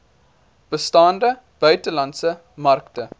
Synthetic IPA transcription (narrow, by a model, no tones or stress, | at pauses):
b̥əstɑːndə | b̥œɥtəlɐntsə | mɐrktə